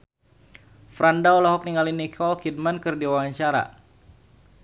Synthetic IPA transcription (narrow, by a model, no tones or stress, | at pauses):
fɾandaulaɦɔk̚niŋalinikʰɔlkid̚mankɨrdiwawaɲt͡ʃaɾa̰